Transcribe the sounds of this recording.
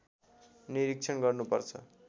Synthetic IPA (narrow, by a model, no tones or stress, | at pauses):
niɾik̚t͡sʰʌnɡʌrnupʌrt͡sʰʌ